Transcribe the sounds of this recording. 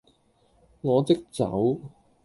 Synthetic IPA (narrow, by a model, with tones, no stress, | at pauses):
ŋɔː˨˧t͡sɪ˥k̚t͡sɐ̰˨˥w